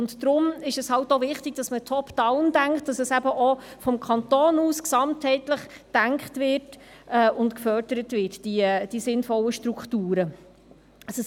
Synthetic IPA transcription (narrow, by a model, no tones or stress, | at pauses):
ʊnd̥ɾʊmɪʃɛshɑltovɪχtɪɡ̥d̥ɑsmətʰɔpd̥ɑʊnd̥æŋkt̚d̥ɑsɛsæbəʔɔfɔmkʰɑntoːnuːsksɑmthɛɪtləχd̥æŋkχtvɪrt | ɛːʊntkfœrdəɾətvɪtd̥id̥isɪnfɔlːəʃtɾukχtuːɾə | ɑsə